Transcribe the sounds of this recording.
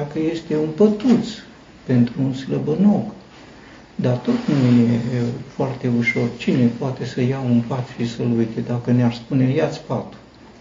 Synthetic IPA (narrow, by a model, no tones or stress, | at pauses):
akəje̞st̪e̞unpət̪ut̪s | pe̞nt̪ɾuːnsləbənok | d̪at̪o̞t̪nujefoart̪e̞uʃo̞rt͡ʃine̞poat̪e̞səjaunpat̪ʃisəlujt̪ed̪akənearspune̞jat̪sʲpat̪u̥